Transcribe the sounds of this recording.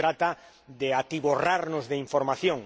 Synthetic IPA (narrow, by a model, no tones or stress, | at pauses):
ɾat̪a | d̪eat̪iβoraɾnʊzðeiɱfoɾmaθjõŋ